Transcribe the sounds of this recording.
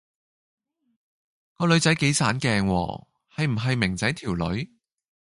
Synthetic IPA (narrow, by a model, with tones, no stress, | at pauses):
kɔː˧lɵ˨˧ɥt͡sɐ˨˥jke˨˥jsʰaː˨˥nkɛː˨˧ŋwɔ̰ː˧ | hɐ˨jm̩˨˩ɦɐ˨jmɪ˨˩ŋt͡sɐ˨˥jt̪ʰiː˨˩wlɵ̰˨˧˥ɥ